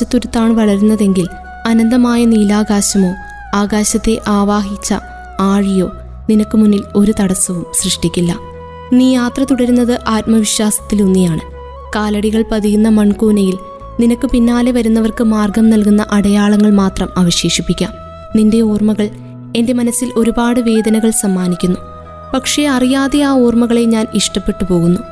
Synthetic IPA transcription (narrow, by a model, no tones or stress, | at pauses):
t͡ɕːɐt̪ːuɾut̪ːaːɳɨʋɐɭɐɾunːɐðe̞ŋɡil | ɐnɐnd̪ɐmaːjɐniːlaːɡaːɕɐmo̞ː | aːɣaːɕɐt̪ːe̞ʔaːʋaːɦit͡ɕːɐ̰ | aːɻijo̞ː | ninɐkːɨmunːilo̞ɾut̪ɐɽɐsɐʋumsrɨʂʈikʲːilːɐ | niːjaːt̪rɐt̪uɽɐɾunːɐðɨʔaːt̪̚mɐʋiɕwaːsɐ̥t̪ːilunːijaːɳɨ | kaːlɐɽiɣɐɭpɐðijunːɐmɐɳkuːnɐjil | ninɐkːɨpinːaːle̞ʋɐɾunːɐʋɐrkɨmaːrɡɐmnɐlkunːɐʔɐɽɐjaːɭɐŋːɐɭmaːt̪rɐmɐːʋɐɕe̞ːʂipːikʲːɐm | ninde̞oːrmɐɣɐɭ | e̞nde̞mɐnɐsːilʔo̞ɾubaːɽɨʋe̞ːd̪ɐnɐɣɐɭsɐmːaːnikʲːunːu | pɐkʂe̞ɐrijaːðeaːoːrmɐɣɐɭe̞ɲaːniʂʈɐpːe̞ʈːɨpo̞ːɣunːu